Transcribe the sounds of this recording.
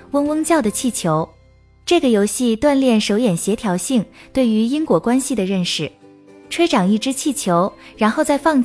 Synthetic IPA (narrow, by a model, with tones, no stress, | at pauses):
wə˥ŋwə˥ŋt͡ɕjɑ˥˩ʊd̪ə˩t͡ɕʰi˥˩t͡ɕʰjo˧˥ʊ | ʈ͡ʂɤ˥˩ɡə˩jo˧˥ʊɕi˥˧t̪wa˥˧nljɛ˥˩nʂo˧˥ʊjɛ˨˩nɕjɛ˧˥t̪ʰjɑ˧˥ʊɕi˥˩ŋt̪we˥˩ɪy˧˥i˥ŋkwɔ˧˥kwa˥nɕi˨˩d̪ə˩ɻə˥˩nʂɻ̩˥˩ | ʈ͡ʂʰwe˥ɪʈ͡ʂɑ˨˩ŋi˥˩ʈ͡ʂɻ̩˥t͡ɕʰi˥˩t͡ɕʰjo˧˥ʊɻa˧˥nxo˥˧ʊt͡sa˥˧ɪfɑ˥˧ŋ